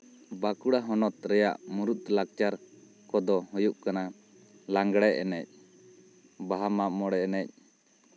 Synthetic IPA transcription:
bakuɽaɦɔnɔt̪ɾɛja̰ʔmuɾut̪̚lak̚t͡ʃaɾ | kɔd̪ɔɦɔjuʔkana | laŋɡɽɛɛnɛc̚ | baɦamamɔɽɛɛnɛc̚

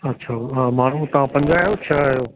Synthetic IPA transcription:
ɐtːɕʰaːmaːn̤ut̪ɐʋ̤ãpɐ̃ɲd͡ʑaːɦjot͡ɕʰajoː

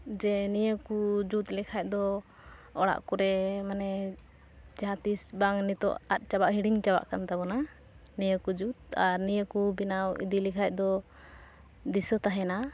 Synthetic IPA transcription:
d͡ʒɛnijəkud͡ʒut̪lɛkʰac̚d̪ɔ | ɔɽa̰ʔkuɾɛmanɛ | d͡ʒaat̪isbaŋnit̪ɔ̰ʔa̰t̪̚ˀt͡ʃabaʔɦiɽiŋt͡ʃaba̰ʔkant̪abɔna | nijəkud͡ʒut̪̚aɾnijəkubinawḭd̪ilikʰac̚ˀd̪ɔ | d̪isət̪aɦɛna

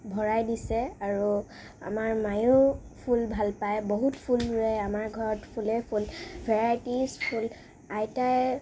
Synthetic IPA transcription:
bʱɔɹajdisɛaɹu | a̰maɹmaju | pʰulbʱalpajboɦutpʰulɹɛamaɹɡʱɔɹɔtpʰulepʰulbʱɛɹajtispʰul | ajtaj

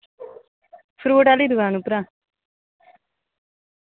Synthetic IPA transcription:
fɾuːʈalid̪uʋaːnupɾaː

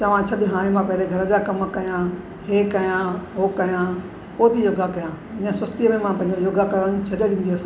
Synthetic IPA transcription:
t̪ɐʋ̤ãt͡ɕʰɐɗɦãːɽ̃ẽmãpɐɦɪɾeɡʱɐɾəd͡ʑakɐmkɐjã | heːkɐjãɦoːkɐjã | poːt̪ʰijoːɡʱakɐjãː | ɪ̃ɲə̃sɐst̪iəmẽmãpɐ̃ɦɪ̃ɲd͡ʑojoːɡʱakɐɾəɽ̃t͡ɕʰɐɗeɽĩːn̆d̪iɐs

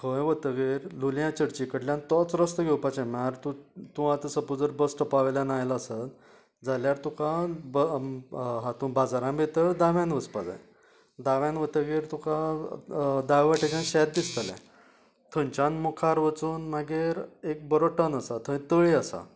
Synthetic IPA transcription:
kʰəjʋət̪əɡeɾluljãt͡ɕəɽt͡ɕikəɽljãnt̪ɔt͡sɾəst̪əɡʱewpat͡ɕãmaɾt̪ũt̪ũat̪əsəpud͡zəɾbəsʈʰəpaʋljanajlaəsət̪ | d͡zaljaɾt̪ũkãbə | ɦãt̪ũbad͡zaɾãmbet̪əɾd̪aʋãnʋəspad͡za̰j | d̪aʋjãnʋət̪əɡeɾt̪ũkã | d̪aɡʋəʈet͡ɕãnɕɛt̪̚d̪ist̪əlɛ̰̃ | t̪ʰə̃nt͡ɕãnmukʰaɾʋət͡suːnmaɡeɾek̚bəɾɔʈənəsat̪ʰə̃t̪əɭiasa̰

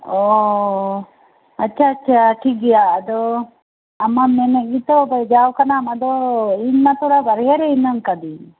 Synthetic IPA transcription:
o | ɐtːʃʰaːtːt͡ʃʰaʈʰikijaːd̪o | ɐmːameneɡit̪obɐd͡ʒaːwkɐnamɐd̪oinːat̪ʰuɽabɐɾɡeɾeinːaŋkad̪i

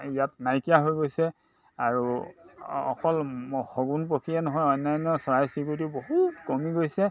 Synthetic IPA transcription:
ijatnajkijaɦojɡojsɛ | aɹu | ɔ̰kɔlxoɡunpokʰiɛnɔɦɔjɔjnːajnːɔsɔɹajsikutiboɦutkɔmiɡojsɛ

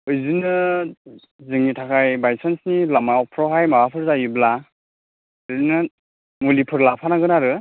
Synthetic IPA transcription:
ɯjzinɯ | zɯŋitʰakʰajbajsensnilamawpʰɾɔɦajmabapʰɯɾzajubla | ɯzinɯ | mulipʰɯɾlapʰanaɡɯnaɾɯ

